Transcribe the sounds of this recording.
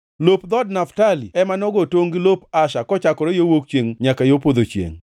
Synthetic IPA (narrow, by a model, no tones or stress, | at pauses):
lopd̪ɔdnaftaliɛmanɔɡɔtoŋɡilopaʃakɔt͡ʃakɔɾojowok̚t͡ʃeŋɲakajopod̪ot͡ʃjḛŋ